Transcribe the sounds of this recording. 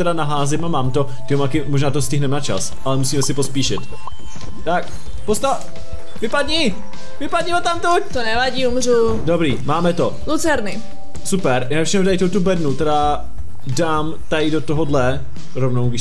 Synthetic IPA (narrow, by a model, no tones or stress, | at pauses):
t̪ɛɾanaɦaːzɪmamaːmt̪o | t̪ɪomakɪmoʒnaːt̪oscɪɦnɛmnat͡ʃa̰s | ʔalɛmusiːmɛsɪpospiːʃɪt̪ | t̪ak̚ | post̪a | vɪpadɲi | vɪpadɲimot̪amt̪u | t̪onɛvaɟiːumru | dobɾiːmaːmɛt̪o | lut͡sɛɾnɪ | supɛɾjanat͡ʃnɛdajt̪owt̪ubɛdnut̪ɛɾa | daːm | t̪ajdot̪oɦodlɛ | ɾovnowɡɾɪʃ